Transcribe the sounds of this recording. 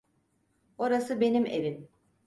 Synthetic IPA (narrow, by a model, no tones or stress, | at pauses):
o̞ɾasɯbe̞nime̞vim